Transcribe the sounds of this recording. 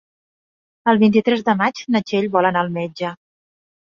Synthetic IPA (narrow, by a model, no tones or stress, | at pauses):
əlˠβint̪it̪ɾɛzðəmat͡ʃnət͡ʃeʎβɔlənaːlˠmɛd͡ʒə